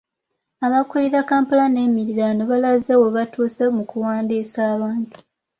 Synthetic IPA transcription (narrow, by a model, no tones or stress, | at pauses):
amakuliɾakaːmpalane̞ːmiɾiɾaːnoβalazawoβatʰuːsemukuwaːndiːsaːβaːntu̥